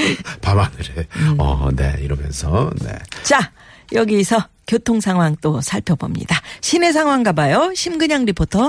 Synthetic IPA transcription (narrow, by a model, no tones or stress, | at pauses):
pabanɯɾeʌ̰ne̞̰iɾʌmjʌ̰nsʰʌne̞̰t͡ɕa | jʌɡisʰʌ | kjotʰoŋsʰaŋɦwaŋt͈osʰaɭpʰjʌbo̰mɲḭd̥aɕʰine̞s̬ʰaŋwaŋɡabajoɕʰimɡɯɲaŋɾipʰotʰʌ